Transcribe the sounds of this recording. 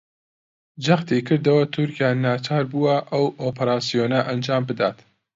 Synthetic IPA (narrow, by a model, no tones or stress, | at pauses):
d͡ʒɐxt̪ekɨɾd̪ɐwɐt̪ʰʊɾkijaːnaːt͡ʃʰaːɾbuwɐʔɐwʔoːpɐɾaːsijoːnɐʔɐnd͡ʒaːmbɨd̪aːt̪